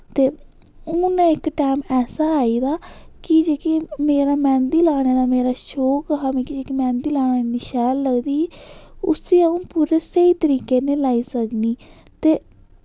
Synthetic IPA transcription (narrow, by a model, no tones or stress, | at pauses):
t̪eː | ũːnẽːɪkʈaːmɛːsaːaːiːd̪aː | kid͡ʒeːkimeːɾaːmɛ̃ːnd̪iːlaːɽ̃eːd̪aːmeːɾaːʃoːkɦaːmẽːkid͡ʒeːkimɛ̃ːnd̪iːlaːneːniʃɛːlːəɡd̪iːʊ̰siːaũːpuːɾeːsəiːt̪əɾiːkeːnẽːlaːiːsəkniː | t̪eː